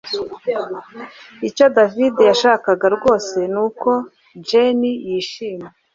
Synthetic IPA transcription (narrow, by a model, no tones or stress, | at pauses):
ico̞davidejaʃaːkaɡaɾɡo̞ːse̞nuːko̞ | d͡ʒenijiːʃiːme